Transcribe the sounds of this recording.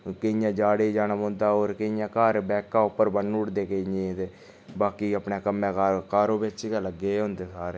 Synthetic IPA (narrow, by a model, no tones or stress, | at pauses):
kɪɪjãːd͡ʒaːɽeːd͡ʒaːnəmõːnd̪aːoːɾkɪɪjãːkaːɾbɛːkãːʊpːəɾbənʊɽd̪eːkəẽːd̪eː | baːkiːəpɳeːkəmːẽːkakaːɾõːbɪt͡ʃkːləɡeːɦõːnd̪eːsaːɾeː